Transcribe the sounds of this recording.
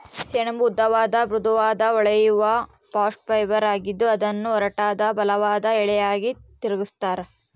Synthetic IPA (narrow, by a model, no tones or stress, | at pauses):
sɛɳɐmbud̪ːɐʋaːd̪ɐbɾud̪ɐʋaːd̪ɐɔɭɐjuʋɐ | paːsʈ̚pɐjʋɐɾaːɡid̪ːuɐd̪ɐnːuɔɾɐʈaːd̪ɐbɐlɐʋaːd̪ɐɛɭɛjaːɡit̪iɾɐɡust̪aːɾe